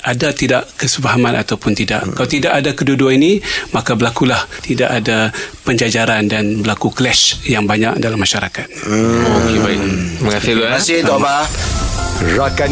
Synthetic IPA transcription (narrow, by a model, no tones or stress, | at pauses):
adat̪idaʔkəsəbaɦamãnʔat̪awpʊnt̪ida̰ʔkːalawt̪idaʔadakəduduainimakabəlakulaht̪ida̰ʔadapəɲd͡ʒad͡ʒaɾandanbəlakuklɛʃjaŋbaɲa̰k̚dalamːaʃaɾakat̪̚okebaɪməŋasɪlasɪd̪ɔba | rɔt̚ka